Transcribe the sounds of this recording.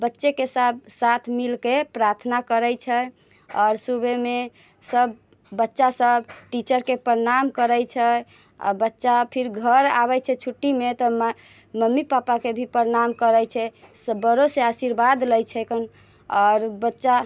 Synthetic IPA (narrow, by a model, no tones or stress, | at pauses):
bətːʃekesab̚sat̪ʰmilkepɾaɾt̪ʰnakəɾɛjt͡ʃʰɛ | ɔɾsubʱeme | səbː | ətːʃasəbʈit͡ʃəɾkepəɾnamkəɾəjt͡ʃʰɛ | ɔ̰bətːʃapʰiɾɡʱəɾa̰βɛt͡ʃʰɛt͡ʃʰuʈːimet̪ɔ | məmːipapakebʱipəɾnamkəɾɛjt͡ʃʰɛsəbəɾoseasiɾbad̪ləjt͡ʃʰɛkʰən | ɔɾbətːʃa